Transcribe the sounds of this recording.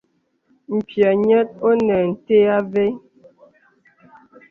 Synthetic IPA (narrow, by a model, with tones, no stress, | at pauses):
m̩˨pja˨ɲɛ˦t̚o˦nɛ˨n̩˨te˦a˦ve˦